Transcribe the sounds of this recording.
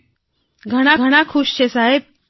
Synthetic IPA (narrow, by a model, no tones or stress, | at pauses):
ɡʱəɽ̃aɡʱəɽ̃akʰuɕt͡ɕesaɦe